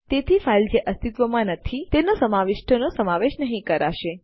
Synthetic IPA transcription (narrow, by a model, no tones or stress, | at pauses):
t̪et̪ʰifʰaild͡ʒeʔəst̪it̪ʋəmãnət̪ʰit̪enosəmaʋɪʃʈʰənosəmaʋeʃnəɦĩkəɾaʃe